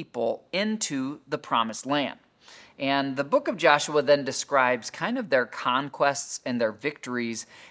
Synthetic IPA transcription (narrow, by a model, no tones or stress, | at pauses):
ipl̩ˠɪ̃ntʰʉðəpʰɹ̥ɑmɨstˡlæ̃nd | ʔɨ̃nðəbʊkʌvd͡ʒɑʃuəðɨ̃ndɨskɹaɪbz̥kʰãɪ̃ndʌvðə˞kʰɑ̃nkʰw̥ɛstsɨ̃nðə˞vɪk̚tə˞iz̥